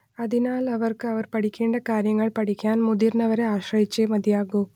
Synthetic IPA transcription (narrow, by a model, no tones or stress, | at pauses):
ɐðinaːlɐʋɐrkɨɐʋɐrpɐʈikʲːeːɳɖɐkaːɾjɐŋːɐɭpɐʈikʲːaːnmuðiɾnɐʋɐɾeaːɕrɐjit͡ɕːemɐd̪jaːɣu